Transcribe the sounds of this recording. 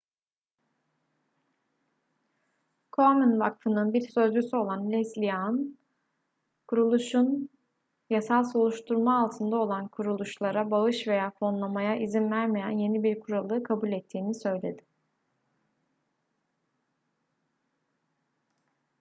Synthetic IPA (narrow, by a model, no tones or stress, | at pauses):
kʰominva̰kfɯnɯnbiɾsø̞zd͡ʒysyo̞lˠanlʲɛslʲijaɯn | kʰuɾulˠuʃun | jasalˠso̞lˠuʃt̪ʰuɾmaːlˠt̪ʰɯnd̪ao̞lˠankʰuɾulˠuʃlˠaɾabaɯʃve̞jaːfo̞nlˠamajaʔizinvæɾme̞jænje̞nibiɾkʰuɾalˠɯːkʰabulʲɛt̪ʰːiːnisø̞jlʲe̞d̪ɪ̥